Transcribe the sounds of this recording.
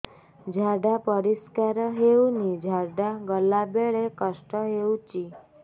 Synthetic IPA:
d͡ʒʱaɖapəɾiskaɾɔɦeunid͡ʒʱaɖaɡəlabeɭekəsʈəɦewt͡ʃi

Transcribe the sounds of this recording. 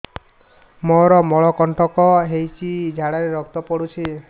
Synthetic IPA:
mɔɾɔmɔɭɔkɔɳʈɔkɔɦejt͡ʃʰid͡ʒʱaɽaɾeɾɔk̚t̪ɔpɔɽut͡ʃʰi

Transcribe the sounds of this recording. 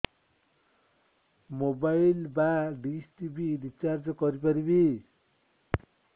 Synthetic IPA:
mobajlbaɖisʈibiɾit͡sard͡zʌkʌɾipʌɾibi

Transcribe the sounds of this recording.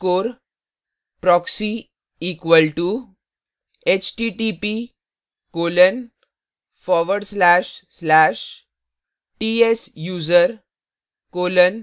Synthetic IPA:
koːɾ | pɾɔksi | iːkʋəlʈu | et͡ɕʈiʈipi | koːlən | fɔːʋəɖslæʃslæːʃ | ʈiesjuːzəɾ | koːlən

